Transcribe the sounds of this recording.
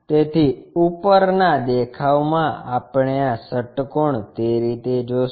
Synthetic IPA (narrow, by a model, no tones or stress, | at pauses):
t̪et̪ʰiupəɾnad̪ekʰaʋmãapɳjãsəʈkoɳt̪eɾit̪ed͡ʒo